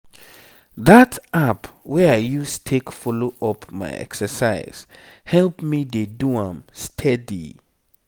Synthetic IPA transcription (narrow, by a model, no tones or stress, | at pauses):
ðatapwɛaɪjustʰekfɔloʔɔpʰma̰ɪɛ̰ksəsaɪz̥ | hɛlpmideduãmstʰɛdḭ